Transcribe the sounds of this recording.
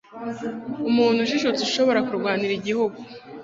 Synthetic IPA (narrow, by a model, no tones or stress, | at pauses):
umuːn̥huʒiʃut͡suʃo̞βo̞ɾakuɾɡwaːniɾiɟihuɡu